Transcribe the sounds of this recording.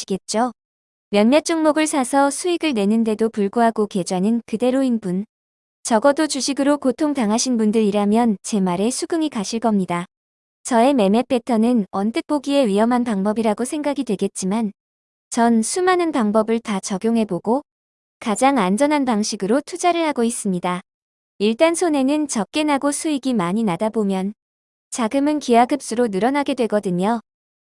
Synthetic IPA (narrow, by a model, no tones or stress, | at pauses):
iɡe̞t̚t͡ɕ͈o | mjʌnmjʌt͡ɕ͈ʰoŋmoɡɯɭsʰasʰʌsʰuiɡɯɭne̞nɯnde̞dopuɭɡoɦaɡoke̞d͡ʑuanɯnkɯde̞ɾoinbun | t͡ɕʌɡʌdot͡ɕuɕʰiɡɯɾokotʰoŋtaŋɦaɕʰinbundɯɾiɾamjʌnt͡ɕe̞maɾe̞sʰuɡɯŋikaɕʰiɭk͈ʌmɲida | t͡ɕʌe̞me̞me̞pʰe̞tʰʌnɯnʌntʰɯk̚p͈oɡie̞ɥiʌmɦanpaŋbʌbiɾaɡosʰe̞ŋɡaɡidweɡe̞t̚t͡ɕ͈iman | t͡ɕʌnsʰumanɯnpaŋbʌbɯɭtat͡ɕʌɡjoŋɦe̞boɡo | kad͡ʑaŋand͡ʑʌnɦanpaŋɕʰiɡɯɾotʰud͡ʑaɾɯɭhaɡois͈ɯmɲida | iɭt͈ansʰone̞nɯnt͡ɕʌk̚k͈e̞naɡosʰuiɡimaɲinadabomjʌn | t͡ɕaɡɯmɯnkiaɡɯp̚s͈ɯɾonɯɾʌnaɡe̞dwe̞ɡʌdɯɲo